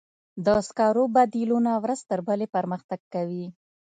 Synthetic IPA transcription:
d̪əskɑɾobad̪ilunawɾəzt̪əɾbəlepəɾməxt̪aɡ̚kawi

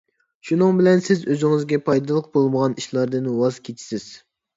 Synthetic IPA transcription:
ʃunɨŋbɪlɛnsɪzøzɪŋɪzɡʲɛpʰɑjd̪ɑlˠəq̚bolˠməʁɑniʃlˠɑɾd̪ɨnwɑzkʲʰet͡ʃʰi̥sɪz̥

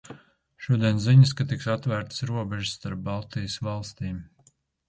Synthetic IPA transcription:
ʃuɔd̪iɛnziɲəskat̪iksat̪væːɾt̪sɾuɔbɛʒɪsːt̪aɾp̚ːalˠt̪ijəsvɑlˠst̪iːm

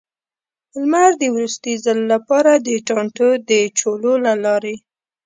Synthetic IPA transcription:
lmaɾd̪əwɾust̪ijzalːapɑɾad̪əʈɑɳʈəd̪ət͡ʃololalɑɾe

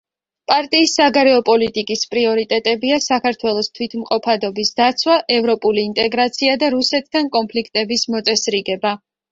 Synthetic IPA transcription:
pʼaɾt̪ʼiːsːaɡaɾɛɔpʼɔlit̪ʼikʼispʼɾiɔɾit̪ʼɛt̪ʼɛbiasakʰaɾt̪ʰwɛlˠɔst̪ʰwit̪ʰmqʼɔpʰad̪ɔbisd̪at̪sʰwaʔɛvɾɔpʼuliːnt̪ʼɛɡɾat̪sʰiad̪aɾusɛt̪ʰd̪ankʼɔmpʰlikʰt̪ʼɛbismɔt̪sʼɛsɾiɡɛba

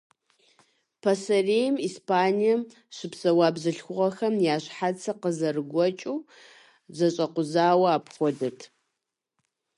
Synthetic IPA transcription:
pʰɐsɐrejmiːspʰaːnijɐm | ɕɪpsɐwaːbzɨɬxʷʊʁɐxɐmjaːɕħat͡sʰɐqəzɐrɨɡʷɔt͡ʃʼuː | zɐɕʼɐqʷʊzaːwɐaːpχʷɔdɐtʰ

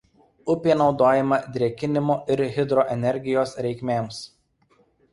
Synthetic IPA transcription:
ʊpʲeːnɒʊd̪oːjɛmɐd̪ʲɾʲiɛkʲɪnʲɪmoːʔɪɾɣʲɪd̪ɾɔʔɛnʲɛɾʲɡʲɪjoːsɾʲɛɪkʲmʲeːms

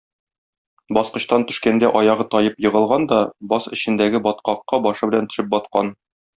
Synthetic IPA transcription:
bɒsqɤ̆ɕt̪ɑnt̪ɵ̆ʃkænd̪æʔɒjɑʁɤt̪ɒjɤpjɤ̆ʁɤ̆lˠʁɑnd̪ɒbɒsɘ̆ɕɘ̆nd̪æɡɘbɒt̪̚qɑqːɑbɒʃɤbɘ̆lænt̪ɵ̆ʃɘp̚bɒt̪̚qɑn

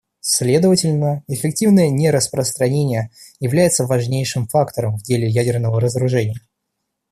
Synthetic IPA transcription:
sʲlʲe̞d̪əvətʲɪlʲnəɪfʲɪk̚tʲivnəjənʲeɾəspɾəst̪ɾɐnʲenʲɪjə | jɪvlʲæjɪt̪səvɐʐnʲejʂɨmfakt̪əɾəmvdʲelʲɪjædʲɪrnəvəɾəzəɾʊʐɛnʲɪjə

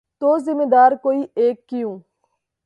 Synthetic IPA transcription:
t̪oːzɪmed̪aːɾkoːiːʔeːkːɪjũː

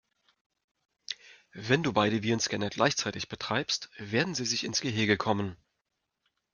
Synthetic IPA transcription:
vɛnduːbaɪɾəviːnskɛnəɡlʔa̰ɪçt͡saɪtɪçb̥ətʁ̥aɪpstv̥eːɐdn̩ziːzɪçɪnsɡ̥əɦɪɐɡəkʰɔmən

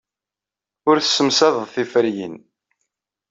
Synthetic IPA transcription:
ʊɾθə̥sːəmsæðəðθifəɾjḭn

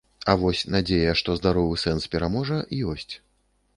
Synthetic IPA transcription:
ɐvɔsʲnad͡zʲejɐʂt̪ɔzd̪aɾɔvɨsɛnspʲɛɾamɔʐɐjɔsʲt͡sʲ

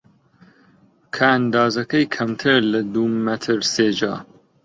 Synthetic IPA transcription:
kʰand̪ɑːzɐkɐjkʰɐmt̪ʰɨɾlɐd̪uːmɐt̪ʰɨɾseːd͡ʒɑ̰ː

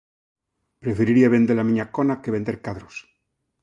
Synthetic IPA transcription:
pɾefeɾiɾiaβe̞nd̪elamiɲakonakeβe̞nd̪eɾkaðɾos

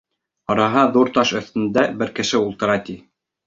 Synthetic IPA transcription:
ɑɾɑɦɑðuɾt̪ɑʃɵ̆θt̪ɘ̆nd̪æbɘɾkɘ̆ʃɘulˠt̪ɤ̆ɾɑt̪i

